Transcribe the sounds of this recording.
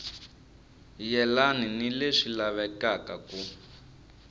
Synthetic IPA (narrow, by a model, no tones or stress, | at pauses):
jɛlaninileʂilaβɛkakaku